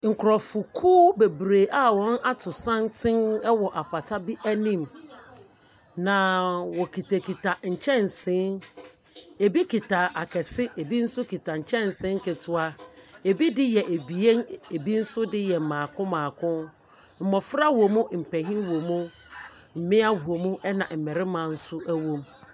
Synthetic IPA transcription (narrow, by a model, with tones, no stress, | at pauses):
ŋ̩˨kʰʊ˨ɾɔ˨fʊ˨kʰuː˦be˨bɾe˨ʔa˦wɔ̃˦na˦tʰʊ˨sã˦ntʰɪ̃˦nɛ˦wɔ˨ʔa˨pʰa˨tʰa˦bi˦ʔæ˦nĩ˦m | nã˨wɔ˨kʰi˨tʰa˨kʰi˨tʰa˨ɲ̩˨t͡ɕʰɛ̃˦n˨sɪ̃˨˦n | e˨bi˦kʰi˨tʰa˨ʔa˨kʰɛ˨sɪ˦ʔe˨bi˦n̩˦sʊ˦kʰi˨ta˨ɲ̩˨t͡ɕʰɛ̃˦n˨sɪ̃˦ŋ̩˦kɪ˨tʰʊ˨a˦e˨bi˦dɪ˦jɛ˨ʔe˨bi˨e˦ne˨bi˦n̩˦sʊ˦dɪ˦jɛ˨mãː˨kʰʊ̃˦mãː˨kʰʊ̃˦n | m̩˨mɔ˨fɾa˦wo˨mʊ̃˦m̩˨pɛ˨ɦĩ˦wo˨mũ˦ | m̩˨mɪ̃˦a˦hu˨o˨mũ˦ʔɛ˦nã̰˨m̩˨mɪ˨ɾɪ˦mã˨n̩˦sʊ˦ʔæ˦wõ˦m